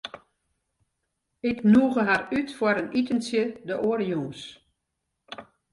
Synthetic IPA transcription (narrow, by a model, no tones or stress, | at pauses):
ɪknuːɣəɦarytfwəɾənitənsjədəʔoəɾjuːs